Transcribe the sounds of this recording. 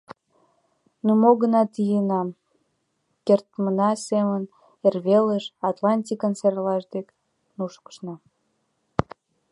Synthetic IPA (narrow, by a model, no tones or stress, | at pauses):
numoɣənɑt̪ijənɑm | kert̪mənɑsemən | erβeləʃɑt̪lɑnʲt̪ʲikənserlɑʃd̪ek | nuʃkə̥ʃnɑ